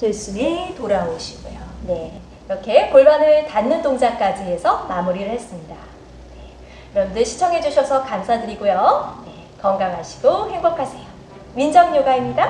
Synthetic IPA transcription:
tes͈ɯmitoɾaoɕʰi̥ɡ̥o̰jone̞ | kɾʌkʰe̞poɭmanɯɭtanːɯnt͈oŋd͡ʑak͈ad͡ʑiesʰʌmamuɾiɾɯɭhe̞s͈ɯmɲida | ne̞ | kɯɾʌmdɯɕʰi̥t͡ɕʰʌŋɦe̞d͡ʑuɕʰʌsʰʌkansʰadɯɾiɡojone̞ | kʌŋɡaŋɦaɕʰi̥ɡ̥ohe̞ŋbʌkʰasʰe̞jo | ɥind͡ʑʌŋɲoɡaimɲiɡa

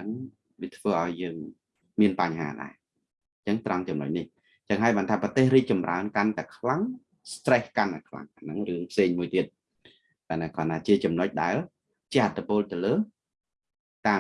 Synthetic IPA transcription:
ɨŋ | ʋiət̪ʰʋəːʔaɔjːəːŋ | miənpaɲɦa̰ːɗa̰ɛ | t͡ɕəŋt̪rɑŋt͡ɕɑmno̰c̚nih | t͡ɕəŋɦaəjɓaːnt̪ʰaːprɑt̪eːhriːk̚t͡ɕɑmra̰ənkant̪aɛkʰlaŋ | st̪rehkant̪akʰla̰ŋʔanɨŋrɨəŋpʰseːŋmuəjt̪iət̪̚ | kanakɑnaːt͡ɕiət͡ɕɑmnoc̚ɗaɛl | t͡ɕiəhʔat̪ʰːipoːlt̪ɨələː | t̪aː

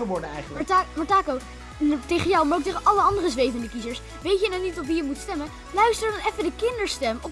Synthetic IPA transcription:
əʋɔɹdəɛ̰jχəmɔɹtaːkow | tejχənjɔwmaɹowk̚tejχənʔɑləɑndərəzʋejvəndəkizəɹs | ʋejtjənanitɔpʋijəmutstɛmən | lœɥstəɹdɑnɛfədəkɪndəɹstɛmɔp

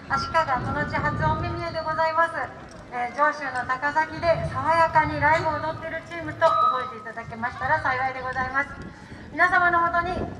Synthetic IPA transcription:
aɕi̥kaɡaso̞noɯt͡ɕiɦat͡sɨomʲimʲied̪e̞ɡo̞zaimasɨ | eːd͡ʑo̞ːɕɨːno̞t̪akasakʲid̪e̞saβajakaɲ̟iɾaibɯːd̪o̞t̪ːe̞ɾɯ̟t͡ɕiːmɯ̟t̪o̞ʔobo̞et̪e̞it̪ad̪ake̞maɕi̥t̪aɾasaiβaid̪e̞ɡo̞zaimasɨ̥ | mʲinasamano̞ɦo̞t̪o̞ɲ̟i

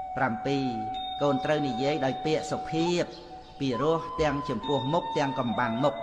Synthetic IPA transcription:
prampiːkoːnt̪rəwnijiəjɗaɔjpɛ̆əʔsopʰiəp̚ː | iːrʊ̆əht̪ɛ̆əŋt͡ɕɑmpʊ̆əhmuk̚t̪ɛ̆əŋkɑmɓaŋmuk̚

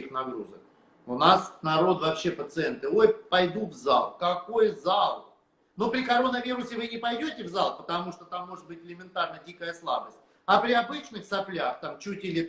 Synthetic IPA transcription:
ixnɐɡɾuzək | ʊnasnɐɾo̞t̪vɐpɕːe̞pət̪sɨent̪ɨo̞jpɐjd̪ut̪vza̰lˠkɐko̞jzalˠ | nopɾʲɪkɐɾo̞nəvʲiɾʊsʲɪvɨnʲɪpɐjdʲotʲɪvzalˠpət̪ɐmuʂt̪ot̪amːo̞ʐɨt̪̚bɨtʲɪlʲɪmʲɪnt̪arnədʲikəjəslˠa̰bəsʲt̚ʲ | ɐpɾʲɪɐbɨt͡ɕnɨxsɐplʲaxt̪amt͡ɕutʲɪlʲɪ

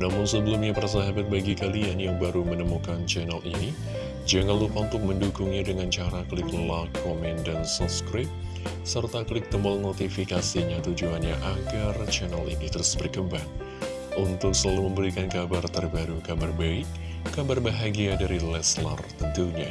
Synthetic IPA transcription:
namʊnsəbəlumɲapəɾas̬aɦabat̪̚baɡikalianjaŋbaɾumənəmukant͡ʃɛnalini | d͡ʒaŋanlupaunt̪ʊk̚məndukʊŋɲadəŋant͡ʃaɾaklɪk̚ləlakːomɛndansɔpskɾɪp̚ | sərt̪aklɪk̚t̪əmɔlnot̪ifikasiɲat̪ud͡ʒuanɲaʔaɡart͡ʃɛnalinit̪əɾʊsb̥ərkəmbaŋ | unt̪ʊksəlaluməmbəɾikankabart̪ərbaɾukabarbaɪʔ | kabarbaɦaɡiadaɾilɛsla̰rt̪ənt̪uɲa

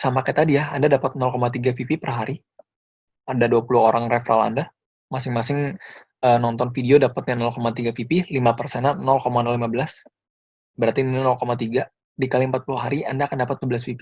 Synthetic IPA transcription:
samakat̪adijahandadapat̪̚nɔlkomat̪̬iɡafipipərɦaɾi | adaduapuluɦoɾaŋrefɾa̰la̰nda | masɪŋmasɪŋ | ənɔnt̪ɔnfidiodapat̪̚ɲanɔlkomat̪iɡafipilimapərsɛnanɔlkomanɔlimabəlas | bəɾart̪ininɔlkomat̪iɡa | dikaliəmpat̪̚puluɦaɾiandaːkandapat̪̚ɡəbəlas̬fipi

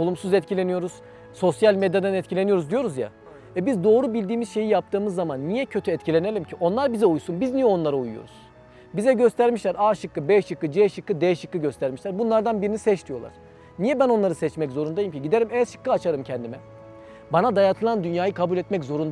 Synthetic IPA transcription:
olˠumsuzɛt̪cʰilʲe̞nijo̞ɾuz̥ | so̞sjalʲmed̪jad̪ɛnɛt̪cʰilʲeijo̞ɾuzd̪ijo̞ɾuzja̰ | ɛbizd̪o̞ːɾubilʲd̪iːmiz̥ʃe̞jijap̚t̪ʰɯːmɯzːamanːijɛcʰø̞t̪ʰyɛt̪cʰilʲe̞nelʲimcʰiʔonlˠaɾbizɛujsunbiznijɛo̞nlˠaɾaujujo̰ɾuz̥ | bizɛɟø̞st̪ʰæɾmiʃlʲæɾaːʃɯkːɯbɛʃɯkːɯd͡ʒɛʃɯkːɯd̪ɛʃɯkːɯɟø̞st̪ʰæɾmiʃlʲæɾbunlˠaɾd̪anbiɾinisɛt͡ʃt̪ʰijo̞lˠa̰ɾ̥ | nijɛbæno̞nlˠaɾɯsɛt͡ʃmɛczo̞ɾund̪ajimcʰiɟid̪e̞ɾimɛʃɯ̥kːɯat͡ʃʰaɾɯmcʰɛnd̪imɛ | banad̪ajat̪ʰɯlˠand̪ynjaːjɯkʰabulʲɛt̪mɛczo̞ɾund̪

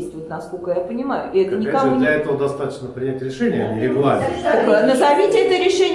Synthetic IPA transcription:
sʲtʲvot̪nɐskokəjapənʲɪmajʊʔɪɛt̪ənʲɪkɐd̪lʲɐɛt̪əvəd̪ɐst̪at̪ə̥t͡ɕnəpɾʲɪnʲætʲɾʲɪʂɛnʲɪjnʲɪɾʲɪɡlˠarʲnʲnəzɐvʲitʲɛt̪əɾʲɪʂɛnʲ

